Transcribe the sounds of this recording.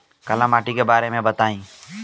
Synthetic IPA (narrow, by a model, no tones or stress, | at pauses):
kəlãːmaːʈiːkebaːɾeːmẽbət̪aːĩː